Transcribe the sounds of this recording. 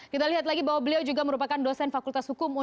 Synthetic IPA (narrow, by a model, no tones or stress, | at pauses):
kit̪aliɦat̪laɡibaɦwabəliawd͡ʒuɡaməɾupakandosɛnfakult̪ashukʊmu